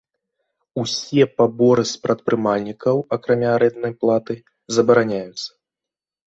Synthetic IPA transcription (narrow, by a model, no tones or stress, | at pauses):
usʲɛpabɔɾɨspɾʔɐt̪̚pɾɨmalʲnʲikɐwɐkɾamʲaɾɛnd̪nɐjplˠat̪ɨ | zɐbɐɾanʲajut̪sːɐ̥